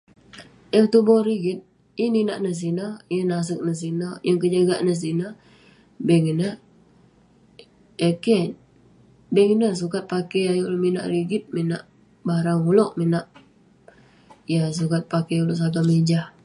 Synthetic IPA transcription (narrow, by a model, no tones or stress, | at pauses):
əŋt̪ubɔɾiɡit̪̚ | ininaʔnəs̬inajənas̬ək̚nəs̬inajəŋkəd͡ʒaɡaʔnəs̬ina | beŋina | eke | bɛŋinəs̬ukat̪̚pakejajulmina̰ʔɾiɡɪt̪̚mina̰ʔ | baɾaŋulɔʔminaʔ | jas̬ukat̪̚pakeulɔʔs̬aɡamiɲd͡ʒah